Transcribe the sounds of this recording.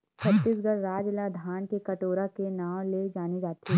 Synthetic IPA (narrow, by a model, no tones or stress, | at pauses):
t͡ʃʰɐt̪ːiːsɡəɾɾaːd͡ʒlad̪ʱaːnkekɐʈoːɾakenaːw̃led͡ʒaːnid͡ʒaːt̪i